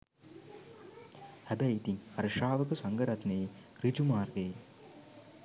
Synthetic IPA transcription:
hæbɛit̪iŋɐɾɐʂaːʋɐkɐsɐŋɡɐɾɐt̪nerid͡ʒumaːrɡɐj

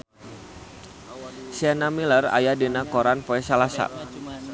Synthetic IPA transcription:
sɛnamiləra̰jadenakɔɾanpoɛsalasa̰

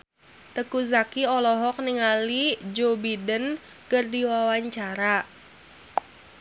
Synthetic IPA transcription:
t̪əkuzakiɔlɔɦɔk̚niŋalid͡ʒobidən | kərdiwawaɲt͡ʃaɾa

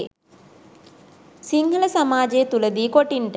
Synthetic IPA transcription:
siŋɡələsamaːd͡ʒejet̪uləd̪iːkoʈiɳʈə

